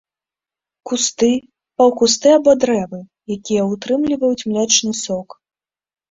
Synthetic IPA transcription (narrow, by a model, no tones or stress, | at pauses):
kust̪ɨ | pɐwkus̬t̪ɨabɔd̪ɾɛvɨ | jakʲijɐut̪ɾɨmlʲivɐjut͡sʲmlʲɛt͡ʂnɨsɔk